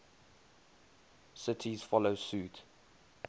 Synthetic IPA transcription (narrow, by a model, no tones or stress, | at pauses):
sɪtʰiz̥fɔloʊsuːt